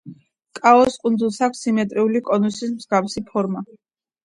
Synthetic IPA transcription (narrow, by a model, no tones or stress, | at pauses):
kʼaɔskʼund̪zulˠsakʰʷsimɛt̪ʼɾiulikʼɔnusismz̥ɡafsipʰɔɾma